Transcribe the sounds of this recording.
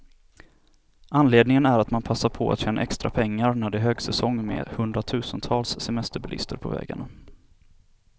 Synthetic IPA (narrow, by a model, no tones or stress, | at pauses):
ʔanleːd̪nɪŋənæɾat̪manpʰasːaɾpʰɔa̰t̪ɕɛːna̰ʔɛkst̪ɾa̰pʰɛŋːaɾnæɖɛɦøːɡsɛsɔŋːmḛːhɵnd̪ɾat̪ʰʉ̟ːsənt̪ʰɑːlsːɛmɛst̪əɾbɪlɪ̰st̪əɾpʰɔ̰vɛ̰ːɡa̰ɳa